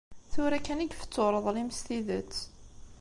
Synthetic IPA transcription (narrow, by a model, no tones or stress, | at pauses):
θʊɾækːæniɡfə̥t͡sːoɾˤəðˤliməst̪iðət͡sː